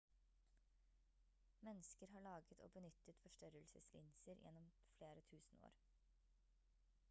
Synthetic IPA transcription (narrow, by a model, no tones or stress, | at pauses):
mɛnːəskəɾɦɑːɭɑːɡət̪ʰo̰ːbənʏt̪ət̪fɔʂʈœɾəlsəslɪ̰nsəɾjʔɛ̰nːɔm | fleːɾət̪ʰʉːsn̩o̰ːɾ